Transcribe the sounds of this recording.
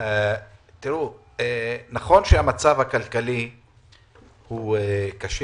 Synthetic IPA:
t̪iʁu | enaχo̞nʃeamat͡savhakalkali | huekaʃe

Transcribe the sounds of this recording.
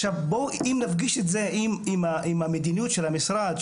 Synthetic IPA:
ʃavboimnafɡiʃetze̞ʔimimaʔimamed̪inijutʃelamisʁad̪

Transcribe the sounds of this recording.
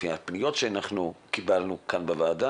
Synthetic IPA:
iapnijo̞tʃeanaχnukibalnukanbevaːda

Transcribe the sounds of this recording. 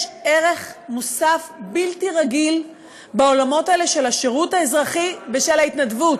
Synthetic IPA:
eʁe̞χmosafbiltiʁaɡil | bao̞lamo̞taeleʃelaʃeʁuthaezʁaχibeʃelaitnadvut

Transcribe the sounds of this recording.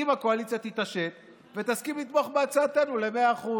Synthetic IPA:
imako̞alit͡sjat̪it̪aʃe̞t̪ | ve̞t̪askimlit̪mo̞χbeat͡saːt̪e̞nule̞me̞aːχu

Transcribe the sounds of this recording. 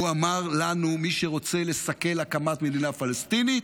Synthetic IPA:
uamaʁlanumiʃe̞ʁo̞t͡se̞le̞sake̞lakamat̪me̞d̪inafalest̪init̪

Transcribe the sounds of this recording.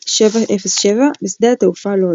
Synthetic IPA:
ʃevaʔefesʃevabisd̪eat̪eufalo

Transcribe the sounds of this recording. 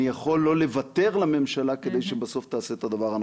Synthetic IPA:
ijaχo̞lːo̞le̞vat̪e̞ʁlame̞mʃalaked̪e̞jʃebaso̞ft̪aːseːt̪ad̪avaʁan

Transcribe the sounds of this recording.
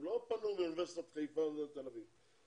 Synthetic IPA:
lopanumnvɛst̪at̪χejfand̪et̪elaviv

